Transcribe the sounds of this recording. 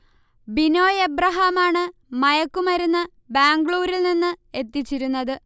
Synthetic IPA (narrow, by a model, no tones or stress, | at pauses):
bino̞ːjebrɐɦaːmaːɳɨmɐjɐkːumɐɾunːɐ | baːŋɡɭuːɾilninːɨe̞t̪ːit͡ɕːiɾunːɐðɨ